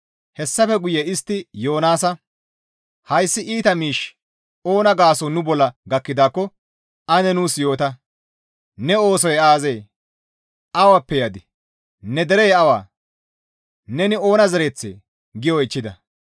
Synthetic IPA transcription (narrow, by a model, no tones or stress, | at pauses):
hɛsːɐfɛɡʊjɛɪst̪ːɪjo̞ːnaːsɐ | hɐjsːɪʔiːt̪ɐmiːʃ | oːnɐɡaːsɔnʊbɔlːɐɡɐkːɪd̪aːkːɔ | ʔɐnɛnuːsjo̞ːt̪ɐ | nɛo̞ːsɔjɛaːzeː | ʔɐwɐpːɛjad̪ɪ | nɛd̪ɛɾɛjɛɐwa̰ː | nɛnɪo̞ːnɐzɛɾeːt͡sːḛ | ɡɪjɔɪt͡ʃːɪd̪ɐ